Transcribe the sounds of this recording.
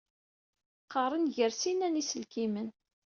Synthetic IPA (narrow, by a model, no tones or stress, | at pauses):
qːɑrˤənʝəɾsinænisəlkimən